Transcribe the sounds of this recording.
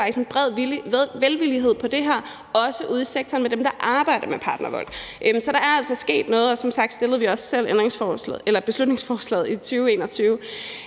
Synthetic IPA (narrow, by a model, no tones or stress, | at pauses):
fɑɡd̥ise̝nb̥ʁɛð̰ˠiʋelʋiliɦe̝ð̞̰ˠpʰɒ̽d̥e̝ɦæɐ̰ | ɒ̽səʔuð̞̰ˠiseɡ̥t͡sʰɒɐːnmed̥emd̥ɑ̈ʔɑ̈ːb̥ɑ̈ɪ̰d̥ɐmepʰɑ̈ːd̥nɐʋɒ̽l̰̥ʔsɒ̽ɾ̥ɑ̈æɐæl̰sɒ̽sɡ̥e̝̰ːd̥nɔ̽ːð̞̩ˠɒ̽sɒ̽msɑ̈ɡ̥̚d̥sd̥e̝lð̩ˠʋiɒ̽ssel̰end̥ʁeŋsfɒːsl̰elɐb̥e̝slud̥ne̝ŋsfɒːslɛ̰ːð̩ˠit͡sʰyːʊe̝̰ːnɒ̽t͡sʰyːʊ